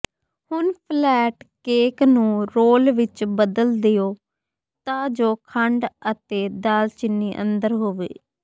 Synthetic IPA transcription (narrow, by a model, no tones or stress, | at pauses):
hʊnpʰlɛːʈkeːknũːɾoːlʋɪt͡ʃbəd̪əld̪ejoː | t̪ãːd͡ʒoːkʰəɳɖət̪eːd̪aːlt͡ʃɪnːiːʔə̰̃nd̪əɾɦoːʋḛː